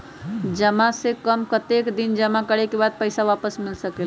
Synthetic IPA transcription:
d͡ʒəmasekəmkət̪ekd̪ind͡ʒəmakəɽ̤ekebad̪̚pəjsaʋapəsmilsəkel

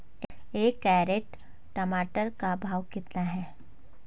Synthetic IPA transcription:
eːkːɛːɾeːʈ | ʈɐmaːʈəɾkabʱaːʋkɪt̪naɦɛː

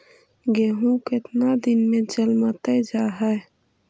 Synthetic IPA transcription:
ɡeːɦũkɪt̪nad̪ɪnmẽd͡ʒəlmat̪ɛd͡ʒaːɦɛ

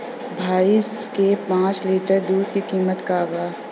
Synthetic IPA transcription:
bʱaːɪskepãːt͡ʃliːʈəɾd̪uːd̪kikiːmət̪kaːbaː

